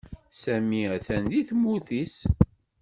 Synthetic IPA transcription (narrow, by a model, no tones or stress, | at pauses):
sæmiæθænd̪iθmːuθis